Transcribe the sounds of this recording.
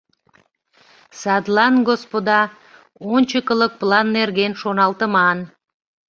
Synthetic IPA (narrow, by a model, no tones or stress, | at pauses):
sɑd̪lˠɑnɡospod̪ɑ | onʲt͡ɕəkələk̚plˠɑnːerɣenʃonɑlˠt̪əmɑn